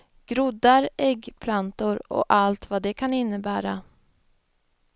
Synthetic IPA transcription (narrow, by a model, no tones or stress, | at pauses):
ɡ̥ɾʊd̪ːaɾɛɡːpʰlant̪ʊɾɔ̰ʔalt̪vad̪ɛkʰanɪnːəbæːɾa